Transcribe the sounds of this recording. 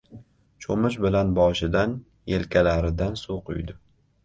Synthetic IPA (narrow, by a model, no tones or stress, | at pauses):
t͡ʃʰomʊʃ̬bɪlanbɒʃɪd̪an | jelkʲʰalaɾɪd̪ansuqʰʊ̰jd̪ɪ